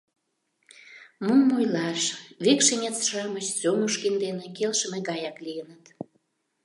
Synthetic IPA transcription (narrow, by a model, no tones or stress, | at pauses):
mumːojlɑʃβekʃenʲet̪t͡sʃɑmət͡ɕsoməʃkind̪enekelʃə̆meɣɑjɑklijənət̪